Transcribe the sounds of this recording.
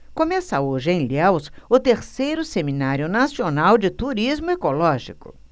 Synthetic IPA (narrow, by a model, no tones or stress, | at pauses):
kõmɛsɐoʒɪẽj̃liɛwsʊt̪eɾsejɾʊseminaɾjʊnasionawd͡ʒɪt̪uɾizmʊekolɔʒikʊ̰